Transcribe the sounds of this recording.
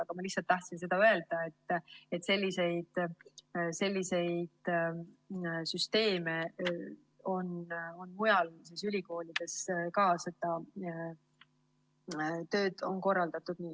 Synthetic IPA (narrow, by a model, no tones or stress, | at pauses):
ɑɡ̥ɑmɑlihsɑlt̪ːɑht̪sins̬e̞d̪̥ɑøe̞ld̪̥ɑe̞t̪ːet̪se̞lʲːise̞jd̪̥ | se̞lʲːise̞jd̪̥ | syst̪e̞ːme̞ | o̞no̞nmujɑlsisylʲiko̞ːlʲid̪̥e̞skɑːse̞d̪̥ɑ | t̪ø̞ːd̪̥o̞nko̞rːɑld̪̥ɑt̪ːˑud̪̥niː